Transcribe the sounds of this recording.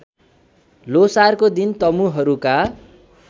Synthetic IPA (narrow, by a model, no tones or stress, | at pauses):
losarkod̪int̪ʌmuɦʌɾuka